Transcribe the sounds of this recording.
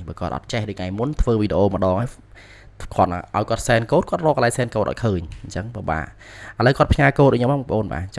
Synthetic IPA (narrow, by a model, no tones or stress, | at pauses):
ɓaːkoət̪ʔɑ̰t̪̚t͡ɕehɗəc̚ŋajmunt̪ʰʋəːʋiːɗeʔoːmə̆ɗɑːŋʔaːj | kʰŏət̪̚ʔaʔaɔjkŏət̪̚sɛːnkoːt̪̚kʰŏət̪̚rɔːkəlaːjsɛːnkoːt̪̚ʔɔ̰kʰəːɲɲt͡ɕəŋɓoːɓa̰ːʔʔələwkoət̪̚pʰɲaːkoːt̪ʔɨɲomːaɓpə̰̆ʔoːnɓa̰ː